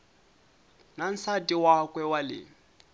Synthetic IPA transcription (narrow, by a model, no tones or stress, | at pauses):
nan̩satʼiwakwɛwalɪ̰